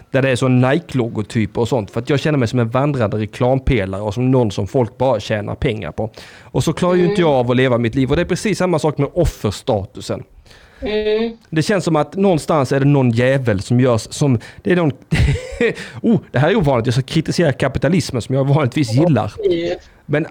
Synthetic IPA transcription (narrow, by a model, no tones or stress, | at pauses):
d̪̥æɖɛːʂɔnːaɪklɔɡʊt̪ʰyːpɔsɔnt̪fœɾat̪jɑːɡɕɛnːəɾmɛɪjsɔmɛnvand̪ɾand̪əɾɛkʰlɑːmpʰeːlaɾəɔsɔmnɔnːsɔmfɔlk̚bɑːɾaɕɛːnʔa̰ɾpʰɛŋːa̰ɾpʰɔʔɔsɔkʰlɑːɾaɾjʏɪnt̪əjɑːɡvɔleːvamɪt̪liːvɔd̪ɛæɾpʰɾɛsiːsːamːasɑːkmɛdɔfːəɾʂt̪ɑːt̪ɵsə̰n | d̪ɛɕɛnsɔmat̪nɔnst̪ansæɖɛnɔnːjɛːvəlsɔmjœːʂːɔmd̪̥ɛænɔnd̪ | uːd̪̥ɛɦæːɾɛɾuːvɑːnɪt̪jɑːskakʰɾɪt̪ɪseːɾakʰapɪt̪alɪsmənsɔmjɑːɡvɑːnlɪt̪viːsjɪlːa̰ɾ | mɛn